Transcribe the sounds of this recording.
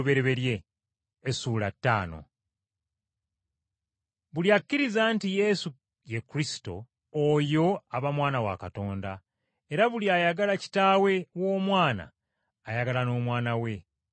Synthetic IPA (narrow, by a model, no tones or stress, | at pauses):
βe̞ɾe̞βe̞ɾje̞ː | suːlatːa̰ːno̞̰ | βuljakːiɾizaːntije̞su | jekːuɾisi̥to̞̰ː | jo̞aβamwaːnawa̰kato̞ːnda | e̞ɾaβuliajaɡalaci̥taːwe̞wo̞ːmwaːna̰ː | jaɡalano̞ːmwaːnawe̞